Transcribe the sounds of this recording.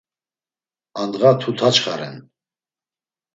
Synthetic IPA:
and̪ʁat̪ʰut̪ʰat͡ʃχa̰ɾɛ̰n

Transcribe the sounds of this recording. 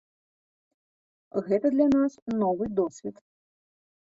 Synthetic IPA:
ɣɛt̪ɐd̪lʲanasnɔvɨd̪ɔsʲvʲit̪

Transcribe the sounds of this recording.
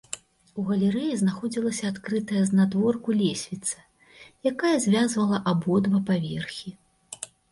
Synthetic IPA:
uɣɐlʲɛɾɛjiznaxɔd͡zʲilˠɐsʲɐat̪kɾɨt̪ɐjɐznad̪vɔrkulʲesʲvʲit̪sɐ̥ | jakajɐzʲvʲazvɐlˠɐʔabɔd̪vɐpavʲɛrxʲi

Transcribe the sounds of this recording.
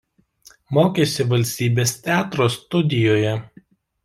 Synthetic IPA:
moːkʲesʲɪʋɐlʲsʲt̪ʲiːbʲeːst̪ʲæːt̪ɾoːst̪ʊd̪ʲɪjoːjɛ

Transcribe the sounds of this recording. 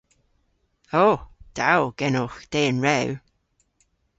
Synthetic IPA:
oːd̪̥awɡ̥ɛnʊxd̪̥eːənɹɛw

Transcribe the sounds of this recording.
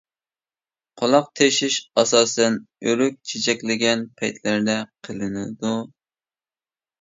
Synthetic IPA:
qʰolˠɑq̚t̪ʰeʃiʃɑsɑːsɛnyɾyk̚ʲt͡ʃʰet͡ʃʰɛkʲlɪɡʲɛnpʰɛjt̪ʰlæɾd̪ɛqʰəlˠɨnɪd̪u

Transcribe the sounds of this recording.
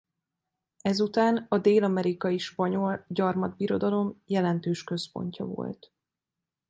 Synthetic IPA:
ɛzut̪aːnɒd̪eːlɒmɛɾikɒjiʃpɒɲo̞lɟɒrmɒd̪̚biɾo̞d̪ɒlo̞mjɛlɛnt̪øːʃkø̞spo̞̰ɲcɒ̰vo̞̰lt̪

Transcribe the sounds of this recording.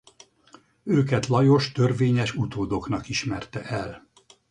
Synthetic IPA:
øːkɛt̪lɒjo̞ʃt̪ørveːɲɛʃut̪oːd̪o̞kn̪ɒkiʃmɛrt̪ɛʔɛl

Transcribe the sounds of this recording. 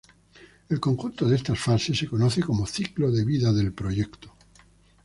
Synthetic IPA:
e̞lkoŋxunt̪oðeest̪asfase̞sːe̞ko̞noθeko̞moθikloðe̞βiðaðe̞lpɾo̞ʝe̞kt̪o

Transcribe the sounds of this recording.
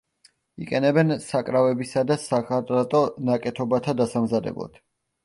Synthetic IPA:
ḭqʼɛnɛbɛnsakʼɾavɛbisad̪asakʰat̪ʼɾat̪ʼɔnakʼɛt̪ʰɔbat̪ʰad̪asamzad̪ɛ̰blˠa̰d̪̥

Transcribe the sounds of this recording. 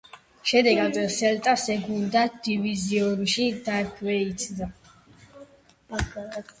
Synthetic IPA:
ʃɛd̪ɛɡaɡ̪ɛsɛlt̪ʼasɛɡund̪ad̪̥iviziɔɾuʃid̪akʰvɛit̪sʰd̪a

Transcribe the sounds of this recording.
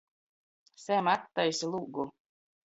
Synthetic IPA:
sæmat̪ːajsilˠuɡu

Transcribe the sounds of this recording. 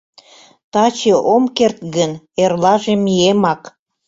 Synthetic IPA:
t̪ɑt͡ɕeʔomkert̪ɣən | erlɑʒemiemɑk

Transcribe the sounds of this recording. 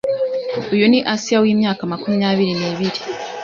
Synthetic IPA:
ojoniʔasiawiːmjaːkamakuminaːβiɾineːβiɾi

